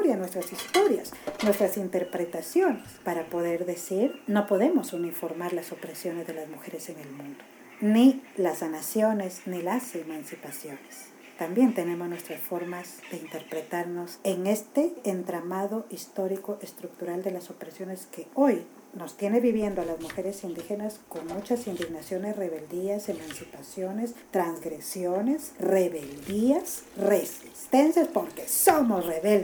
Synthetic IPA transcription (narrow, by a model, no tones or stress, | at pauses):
oɾjanwest̪ɾasist̪o̞ɾjasnwe̞st̪ɾasint̪e̞ɾpɾe̞t̪asjo̞nespaɾapo̞ðe̞ɾðe̞siɾno̞po̞ðe̞mo̞sunifo̞ɾmaɾlaso̞pɾe̞sjo̞ne̞zðe̞lazmuxe̞ɾe̞se̞ŋe̞lmũnd̪o | nilasɡanasjo̞ne̞snilasemansipasjo̞nes | t̪ambje̞nt̪e̞ne̞mo̞znwest̪ɾasfo̞ɾmazd̪̥e̞int̪e̞ɾpɾe̞t̪aɾno̞se̞ŋe̞st̪e̞ːnt̪ɾamaðo̞ʔist̪o̞ɾiko̞ʔest̪ɾuk̚t̪uɾald̪e̞laso̞pɾesjo̞ne̞ske̞oj | no̞st̪je̞ne̞βiβje̞nd̪oalazmuxe̞ɾesind̪ixe̞nasko̞ŋmut͡ʃasind̪iɣnasjo̞nesre̞βe̞ld̪iase̞mansipasjo̞ne̞st̪ɾaŋzɡɾe̞sjone̞sre̞βe̞ld̪iasre̞sist̪ensjaspoŋkesomosreβel